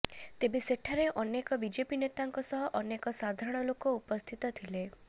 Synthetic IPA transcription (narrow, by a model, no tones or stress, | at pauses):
t̪ebeseʈʰaɾeʔɔnekɔbid͡ʒepinet̪aŋkɔsɔɦɔʔɔnekɔsad̪ʱaɾɔɽ̃ɔlokoupɔst̪ʰit̪ɔt̪ʰile